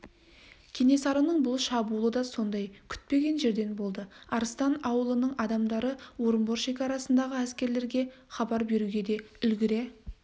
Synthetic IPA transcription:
kʲʰe̞ne̞sɑɾənəɴbʊlˠʃɑbulˠəd̪ɑso̞nd̪ɑjkʲʰʏ̥t̪̚pe̞ɡʲe̞nʒe̞ɾd̪e̞nbo̞lˠd̪əɑɾəst̪ɑnɑwəlˠənəɴɑd̪ɑmd̪ɑɾəwo̞ɾəmbo̞ɾʃe̞kʲɑɾɑsənd̪ɑʁəæskʲe̞ɾle̞ɾɡʲe̞ | χɑbɑɾbe̞ɾuɡʲe̞d̪e̞ʏlɡʲɪɾe̞

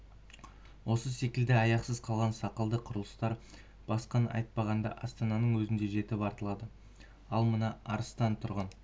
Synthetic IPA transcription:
wʔo̞səse̞kʲɪld̪ɪɑjɑqsəz̥qʰɑlˠʁɑnsɑqəlˠd̪əqʰʊɾəlˠəst̪ɑɾ | b̥ɑsqɑnʔɑ̰jt̪̚pɑʁɑnd̪ɑ̰ʔɑst̪ɑnɑnəɴwɵzɪnd̪eʒe̞t̪ɪpɑɾt̪əlˠɑd̪ə | ɑlˠmənɑɑɾəst̪ɑnt̪ʰʊɾʁɑn

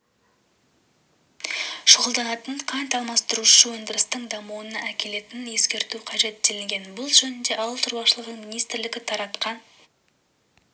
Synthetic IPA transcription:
ʃoʁəlˠd̪ɑnɑt̪əɴqʰɑnt̪ɑlˠmɑst̪əɾuʃəwɵnd̪ɪɾɪst̪əɴd̪ɑmuənɑækʲe̞le̞t̪ɪnje̞skʲe̞ɾt̪uqʰɑʒe̞t̪̚d̪elɪŋɡʲe̞nbʊlˠʒɵnɪnd̪e̞ʔɑwəlˠt̪ʰʊɾbɑʃəlˠəʁəɴminijst̪ɪɾlɪɡʲɪt̪ʰɑɾɑt̪qɑn

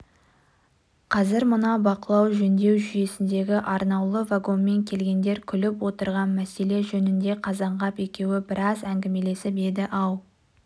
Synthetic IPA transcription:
qʰɑzɪɾmʊnɑbɑqəlˠɑwʒɵnd̪e̞wʒʏje̞sɪnd̪e̞ɡʲɪʔɑɾnɑwlˠəvaɡo̞nme̞ŋkʲʰe̞lɡʲe̞nd̪e̞ɾkʲʰʏlɪpwo̞t̪əɾʁɑnmæse̞le̞ʒɵnɪnd̪e̞qʰɑzɑɴʁɑpe̞kʲe̞wɪbɪɾɑzæŋɡʲɪme̞le̞sɪpe̞d̪ɪʔɑw

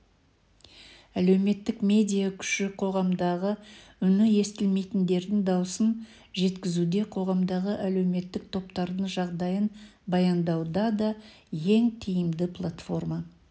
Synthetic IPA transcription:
ælewme̞t̪ːɪkmʲe̞d̪ʲijakʲʰʏ̥ʃɪqʰo̞ʁɑmd̪ɑʁəʏnɪje̞st̪ɪlme̞jt̪ɪnd̪e̞ɾd̪ɪŋd̪ɑwəsən | ʒe̞t̪kʲɪzud̪e̞qʰo̞ʁɑmd̪ɑʁəʔælewme̞t̪ːɪk̚t̪ʰo̞pt̪ɑɾd̪əɴʒɑʁd̪ɑjənbɑjɑnd̪ɑwd̪ɑd̪ɑje̞ŋt̪ʰijɪmd̪ɪplˠat̪fo̞rmɑ

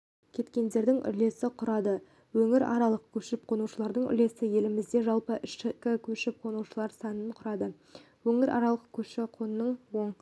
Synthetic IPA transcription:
kʲʰe̞t̪kʲe̞nd̪e̞ɾd̪ɪŋʔʏ̰ɾle̞sɪqʰʊɾɑd̪ə | wɵŋɪɾɑ̰ɾɑlˠəq̚kʲʰɵʃɪp̚qʰo̞nuʃəlˠɑɾd̪əɴʏ̰le̞sɪje̞lɪmɪzd̪e̞ʒɑlˠpəʔɪʃɪkʲɪkʲʰɵʃɪp̚qʰo̞nuwʃəlˠɑɾsɑnəɴqʰʊɾɑd̪ə | wɵŋɪɾʔɑ̰ɾɑlˠəqkʲʰɵʃɪqʰonənːəɴwo̞ɴ

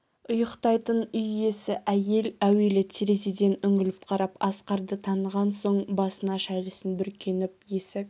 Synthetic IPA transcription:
ʊjəqt̪ɑjt̪ənʏje̞sɪʔæje̞læwe̞lɪt̪ʲʰeɾezed̪e̞nʏŋɪlɪpqʰɑɾɑpɑsqɑɾd̪ət̪ʰɑnəʁɑnso̞ɴbɑsənɑʃæjlɪsənbʏɾkʲʰe̞nɪp̚je̞sɪk̚

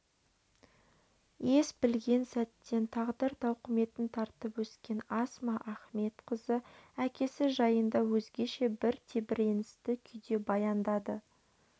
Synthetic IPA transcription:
je̞sbɪlɡʲe̞nsæt̪ːe̞nt̪ʰɑʁd̪əɾt̪ʰɑwqʰəme̞t̪ɪnt̪ʰɑɾt̪əpwɵskʲe̞nɑsmɑʔæχme̞t̪qʰəzəækʲe̞sɪʒɑjənd̪ɑwɵzɡʲe̞ʃe̞bɪɾt̪ʰe̞bɪɾe̞nɪst̪ɪkʲʰʏjd̪e̞bɑjɑnd̪ɑd̪ə

